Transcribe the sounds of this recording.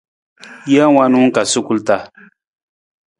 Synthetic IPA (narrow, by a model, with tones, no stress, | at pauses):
ja˦wa˦nu˦ŋ˦ka˨su˦ku˦lta˦